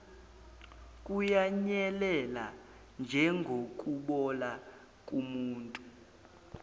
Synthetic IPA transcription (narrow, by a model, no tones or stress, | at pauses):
kʼujaɲɛlɛla̰ | nd͡ʒʱɛŋɡʱok̬ʼuɓɔla | kʼumuːntʼu